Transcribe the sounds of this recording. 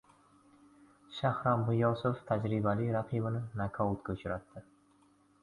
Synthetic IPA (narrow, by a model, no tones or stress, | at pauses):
ʃahɾɒmbʊjɒsʊft̪ʰad͡ʒɾɪbalijɾaqʰibɪnɪnakʰɒʊt̪̚kʲʰʊt͡ʃʰʊɾat̪ːɪ